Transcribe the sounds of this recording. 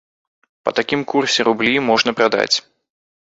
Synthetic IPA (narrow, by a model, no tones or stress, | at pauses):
pɐ̰t̪akʲimkursʲɛɾublʲimɔʐnɐpɾad̪a̰t͡sʲ